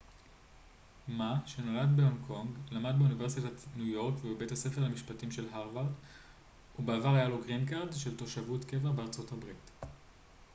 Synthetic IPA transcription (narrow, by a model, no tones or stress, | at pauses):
maʃe̞no̞ladbeonkʰo̞ŋɡlamad̚beunive̞ʁs̬itatnujo̞ʁkvebebe̞thase̞fe̞ʁhamiʃpatimʃe̞lɦaʁvaʁd | ubeavaʁajaloɡʁinkaʁdʃe̞lto̞ʃavutke̞veʁbeaʁt͡so̞thabʁit